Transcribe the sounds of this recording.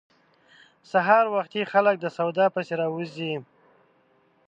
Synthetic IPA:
saɦɑɾwaxt̪ixalək̚d̪əsawd̪ɑpəseɾɑwuzi

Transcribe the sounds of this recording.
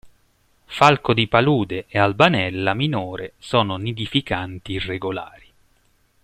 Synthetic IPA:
falkod̪ipaluːd̪eːalbanɛlːaminoːɾesɔːnonid̪ifikant̪iːrːeɡola̰ːɾi

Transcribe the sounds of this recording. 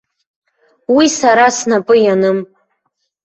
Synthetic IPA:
wisaɾasnapʼɨjanɨm

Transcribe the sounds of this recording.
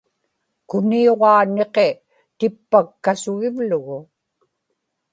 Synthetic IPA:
kʊnioʁɑːnːe̞qe̞ | t̪ɪpːakːasʊɣɪvlʊɣʊ

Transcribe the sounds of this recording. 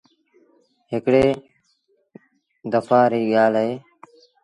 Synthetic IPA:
ɦɪkɽeː | d̪əfaːɾiːɠɪjaːlɦeː

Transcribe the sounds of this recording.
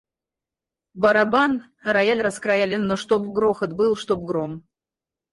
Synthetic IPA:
bɐɾaban | ɾajalʲrɐskɾajalʲɪnːoʂt̪obɡɾoxət̪̚bɨlˠʂt̪ob̚ɡɾom

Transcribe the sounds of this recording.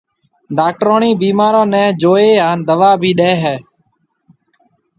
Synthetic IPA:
ɖaːʈɾoːɳiːbiːmaːɾõːnɛ̃ːd͡ʒoːeːɦãːnd̪əʋaːbʱiːɗɛːɦɛː

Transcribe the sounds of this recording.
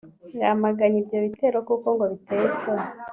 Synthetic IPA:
βjamaɡaɲibjo̞βite̞ɾo̞kuko̞ŋɡo̞βitejesona

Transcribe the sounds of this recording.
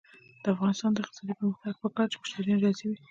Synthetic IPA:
d̪̥əafɣɑnɪst̪ɑnd̪əɪqt̪ɪ̥sɑd̪ipəɾməxt̪aɡ̚pəkɑɾt͡ʃe̥mʊʃt̪aɾɑnɾjɑlsəwi

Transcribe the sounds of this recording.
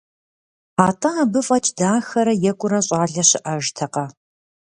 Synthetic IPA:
aːtʼɐːbɨfʼɐt͡ʃʼdaːxɐɾɐjɛkʷʼʊɾɐɕʼɑːɮɐɕɪʔɐʒtʰɐqɐ

